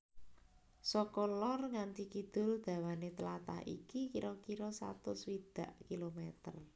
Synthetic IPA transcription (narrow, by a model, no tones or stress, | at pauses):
sɔkolɔrŋant̪ikid̪̥ʊ̤ld̪̥ä̤wanet̪əlat̪a̰hḭkikiɾɔkiɾɔsa̰t̪ʊswid̪̥a̤ʔkilomɛt̪ər